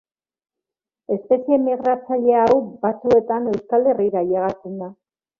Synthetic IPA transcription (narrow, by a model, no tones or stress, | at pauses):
e̞spe̞sie̞miɣɾat͡saʎe̞awbat͡sue̞t̪ane̞wskale̞riɾajeɣat͡send̪a